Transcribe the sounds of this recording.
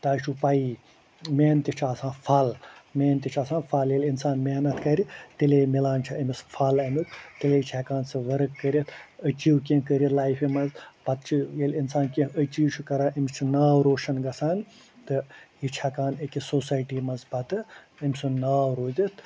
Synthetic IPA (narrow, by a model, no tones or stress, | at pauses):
t̪aːt͡ʃʰupɐi | meːnt̪it͡ʃʰaːsãːfʰɐlmeːnt̪ʲit͡ʃʰaːsãːnfʰaːljelʲinsaːnmeːnɐt̪ʰkɐɾit̪ilemilaːnt͡ʃʰiɐmisfʰɐlɐmʲut̪t̪ilet͡ʃʰɛkaːnsɨʋɐɾɨkːəɾʲit̪ʰət͡ʃiwkẽkəɾʲit̪laːjfimɐzbɐt̪̚t͡ʃʰijelinsaːnkʲẽət͡ʃiːwt͡ʃʰukɐɾaːʔimt͡ʃʰinaːɾoːʃɐnɡɐsaːn | t̪ɨjit͡ʃʰɛkaːnekʲisoːsaːjʈiːmɐzbɐt̪ɨəmʲsunaːwɾoːzʲit̪ʰ